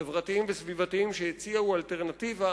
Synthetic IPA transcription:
evʁat̪iimvesvivat̪iimʃejet͡siaualteʁnat̪iva

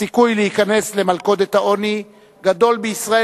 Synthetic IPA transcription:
ikujlehikane̞sle̞malko̞d̪et̪hao̞ni | ɡad̪o̞lbeisʁae

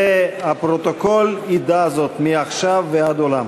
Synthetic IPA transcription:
eapʁot̪okolid̪azo̞t̪miaχʃavːead̪olam

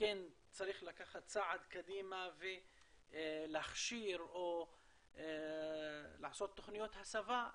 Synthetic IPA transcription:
ken | t͡saɾiχlakaχat̪t͡saʕad̪kad̪iːmave | laχʃiɾʔo | laʕasot̪ːoχnijot̪hasava

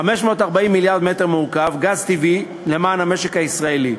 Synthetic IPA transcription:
χameʃmo̞ːt̪aʁbaimːiljaʁd̪mete̞ʁmuukavɡazt̪ivi | le̞maːnhame̞ʃekaisʁaeli

